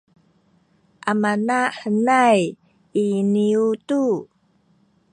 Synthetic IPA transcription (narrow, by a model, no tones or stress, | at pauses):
ʔamanaħənaj | iniutu